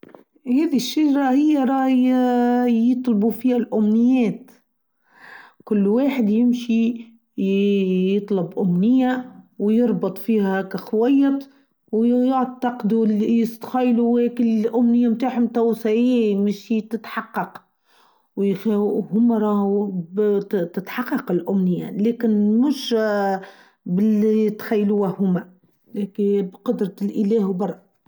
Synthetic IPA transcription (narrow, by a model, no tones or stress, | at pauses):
hæːðiʃːad͡ʒɾˤahɪjːaɾˤɑːh | jɨt̪ˤlbufiːhælʔʊmnɪjːæːt̪ | kʊlːwaːħəd̪jɪmʃi | jɨt̪ˤlɑbʔʊmnɪjːawjɨɾˤbɨt̪ˤfiːhækæxwajːɑt̪ | wjʊʕt̪ːɑqd̪uliɪst̪xɑjːluwekɪlʔʊmnɪjːamt̪aːħmt̪æwsaʕimɪʃit̪ɪt̪ħɑqːɑq | wjhʊmːæɾˤɑːh | t̪ɪt̪ħɑqːɑqɪlʔʊmnɪjːalɛːkɪnmʊʃ | bɪlːit̪xajːluæhʊmːæ | lekbqʊd̪ɾˤɑlʔɪlɛːhwbɑrˤːɑ